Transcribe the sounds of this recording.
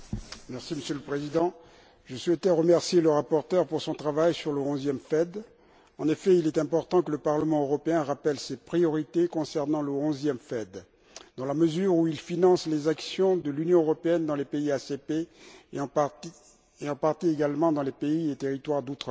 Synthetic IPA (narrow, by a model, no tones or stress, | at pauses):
mɛʁsiməsjøləpχezid̪ɑ̃ | ʒəswɛt̪ɛʁəmɛʁsjeləʁapɔʁt̪œʁpuʁsɔ̃t̪χavajsyʁləɔ̃zjɛmfɛd̪ | ɑ̃nefɛilɛt̪ɛ̃pɔʁt̪ɑ̃kələpaʁləmɑ̃øʁɔpeɛ̃ʁapɛlsepχijɔʁit̪ekɔ̃sɛʁnɑ̃ləɔ̃zjɛmfɛd̪ | d̪ɑ̃laməzyʁuilfinɑ̃slezaksjɔ̃d̪əlynjɔ̃øʁɔpeɛnd̪ɑ̃lepeiasepe | eɑ̃paʁt̪ieɡalmɑ̃d̪ɑ̃lepeiet̪eʁit̪waʁd̪ot̪χə